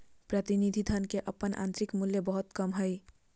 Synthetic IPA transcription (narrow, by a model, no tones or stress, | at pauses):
pɾət̪inid̪ʱid̪ʱənkeʔəpːənʔa̰nt̪ɾikmuljəbəɦut̪kəmɦəj